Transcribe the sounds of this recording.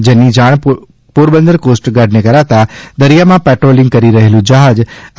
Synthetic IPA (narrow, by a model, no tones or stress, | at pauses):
d͡ʒɐnːid͡ʒaːɽ̃ | puːɾbə̃nd̪əɾkoːsʈɡaːɖnẽkɐɾat̪ad̪ɐɾijamãpɛːʈɾoːlɪ̃ŋɡ̚kɐɾiɾɐɦelũd͡ʒaɦaːd͡ʒ